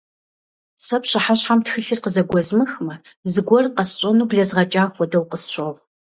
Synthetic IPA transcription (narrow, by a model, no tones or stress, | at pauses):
sɐpɕɐħaɕħamtxɨɬirqəzɐɡʷɔzmɨxmɐ | zɨɡʷɔrqɐsɕʷʼɐnuːbɮɐzʁɐt͡ʃʼaːxʷɔdɐwqəsɕʷoʁ